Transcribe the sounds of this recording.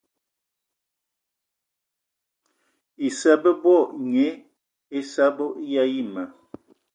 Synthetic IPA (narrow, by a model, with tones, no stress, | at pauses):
i˨sa˦bə˦bwɔ˦˨ʔɲe˨˦ | e˦sa˦bo˦ʔja˦i˦ma˨